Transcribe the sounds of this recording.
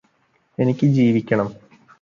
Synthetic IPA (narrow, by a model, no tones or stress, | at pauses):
e̞nikʲːɨd͡ʑiːʋikʲːɐɳɐm